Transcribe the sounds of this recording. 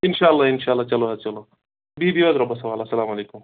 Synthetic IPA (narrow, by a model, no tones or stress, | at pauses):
inʃalːainʃaːlːat͡ʃɐloɦat͡ʃɐlo | bibiʋad̪ɾɐbːɐsɐʋaːlasɐlaːmɐleːkum